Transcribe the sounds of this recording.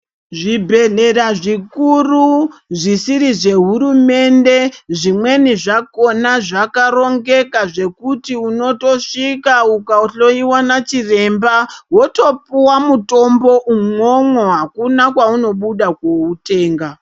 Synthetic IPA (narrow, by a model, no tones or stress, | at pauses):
ʐibʱe̞ɮe̞raʐikuruʐisiɾiʐe̞ɦuɾume̞nde̞ʐimwe̞niʐako̞naʐakaro̞ŋɡe̞kaʐe̞kutiuno̞to̞ʂikaukauɬo̞iwanat͡ʃire̞mbawo̞to̞puwamuto̞mbo̞ʔumo̞mwo̞ɦakunakwauno̞ɓuɗakwo̞ute̞ːŋɡa